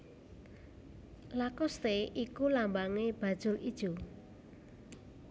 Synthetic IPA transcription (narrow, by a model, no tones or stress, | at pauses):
lakɔst̪eʔikulambaŋeb̥ä̤d̥ʒ̥ʊ̤lid̥ʒ̥o